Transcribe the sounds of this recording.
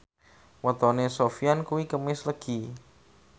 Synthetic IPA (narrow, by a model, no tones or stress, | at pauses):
wət̪ɔnesofijankuwikəmɪsləɡ̥i